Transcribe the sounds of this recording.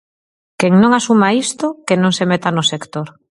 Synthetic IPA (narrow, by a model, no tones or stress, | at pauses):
keŋnõŋasumaist̪okenõŋsemet̪anʊsekt̪oɾ